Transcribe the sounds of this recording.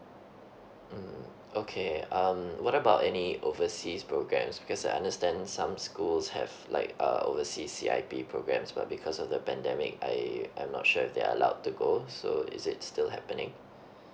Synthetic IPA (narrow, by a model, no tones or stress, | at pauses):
m̩ | okʰeʌ̃mwɔɾəbaʊtɛniʔovəsispʰɹoɡɹɛ̰̃msb̥ikʰɔsaɪʔã̰ndəstɛ̃ndsãmskulshɛ̰vlʔa̰ɪkʌ̰ovəsisːḭʔa̰ɪpipʰɹoɡɹɛ̰̃msba̰t̚bikʰɔsɔfdəpɛ̃ndɛmɪ̰ka̰ɪa̰j̃mnɔ̰t̚ʃuɪfd̪ḛa̰ə̰laʊd̚tːuɡoso̰ɪ̰zɪtstɪlɦɛpə̃nɪ̰̃ŋ